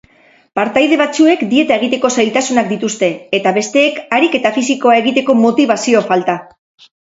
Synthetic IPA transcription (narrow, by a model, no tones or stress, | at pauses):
paɾt̪ajðe̞β̞at͡sue̞kd̪ie̞t̪ae̞ɣ̞it̪e̞ko̞sajlt̪asunakd̪it̪ust̪e̞ːt̪aβe̞st̪e̞ːkaɾike̞t̪afisiko̞ae̞ɣ̞it̪e̞ko̞mo̞t̪iβ̞asio̞falt̪a